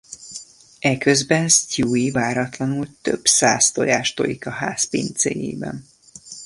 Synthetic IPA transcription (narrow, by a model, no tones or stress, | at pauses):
ɛkøzbɛnstuːivaːɾɒt̪lɒnult̪ø̰b̥sa̰ːst̪ojaːʃt̪o̰jikɒhaːspḭːnt̪sḛjḛːbɛ̰n